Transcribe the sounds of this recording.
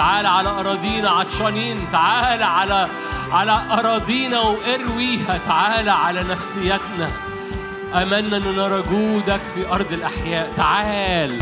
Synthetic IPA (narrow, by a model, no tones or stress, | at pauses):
aʕaːlʕalæʔɑɾˤɑːd̪ˤiːnɑʕaʃɑniːnt̪aʕaːlʕalæ | ʕalæʔɑɾˤɑːd̪ˤiːnæwʔeɾwiːhæt̪aʕaːlæʕalænæfsɪjːæt̪næ | ʔæmænːæʔnːenɑɾˤɑɡuːd̪ækfiʔɑɾˤd̪ˤelʔaħjæːʔt̪aʕaːl